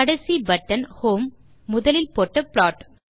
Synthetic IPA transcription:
ɐɽɐsibɐʈːɐnhoːmː | ʊðɐlɪlpoːʈːɐpɭaːʈ

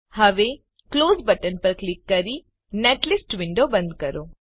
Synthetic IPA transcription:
hɐʋe | kloːzbɐʈɐnpɐɾklikːɐɾi | neʈlisʈʋiɳɖoːbɐnd̪kɐɾoː

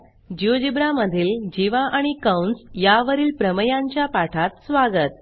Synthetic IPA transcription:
d͡ʑiod͡ʑibɾaməd̪ʱiːld͡ʑiʋaʔaɽ̃ikəwnsjaʋəɾiːlpɾəməjaɲt͡ɕjapaʈʰat̪sʋaɡət̪̚

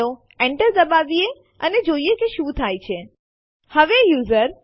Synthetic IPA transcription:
o | eɳʈəɾd̪əbaʋie | əned͡ʒoiekeʃũt̪ʰajt͡ʃʰe | həʋejuzəɾ

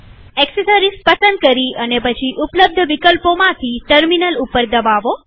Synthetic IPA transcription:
ɛksesəɾispəsənd̪̚kəɾiənepət͡ʃʰiʔʊpləb̚d̪ʱəʋikəlpomãt̪ʰiʈəɾminəlupəɾd̪əʋaʋo

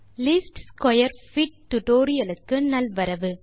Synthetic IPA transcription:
lɪsʈskɔjɐɾfɪʈ̚t̪ːʊʈoːɾɪjɐlɯkːɯnɐlʋɐɾɐʋɯ

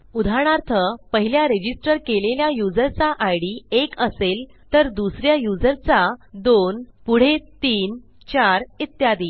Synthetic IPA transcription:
ud̪ʱaɽ̃aɾt̪ʰəpəɦiljaɾed͡ʑisʈəɾkeleljajud͡zəɾt͡saʔajɽiekəsel | t̪əɾd̪usɾjajud͡zəɾt͡sad̪onpuɽ̤et̪iːn | t͡ɕaɾit̪jad̪iː

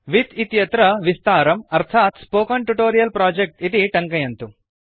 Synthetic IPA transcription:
ʋit̪it̪jɐt̪ɾɐʋist̪aːɾɐmɐɾt̪ʰaːt̪spoːkɐɳʈuʈoːɾijɐlpɾaːd͡ʒek̚ʈit̪iʈɐŋkɐjɐnt̪u

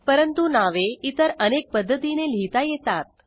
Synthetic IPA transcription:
pəɾənt̪unaʋeit̪əɾənek̚pəd̪ʱːət̪inel̤it̪ajet̪at̪̚

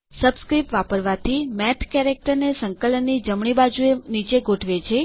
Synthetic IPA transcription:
səbskɾipʋapəɾʋat̪ʰimɛʈʰkɛɾek̚ʈəɾnesəŋkələnːid͡ʒəmɳibad͡ʒuenit͡ʃeɡʱoʈʰʋet͡ʃʰe

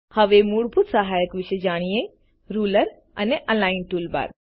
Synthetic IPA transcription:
hɐʋemuːɽbut̪sɐɦaːjəkʋɪʃed͡ʒaːɽ̃ije | ɾuːləɾ | ɐneʔɐnlaːɪnʈuːlba̰ɾ

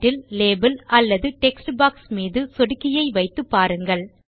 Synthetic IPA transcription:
ʈːɪlːeːbɐlɐlːɐðɯʈɛksʈbaːksmiːðɯsɔɽɯkːɪjɐɪʋɐɪt̪ːɯpːaːɾɯŋɡɐɭ

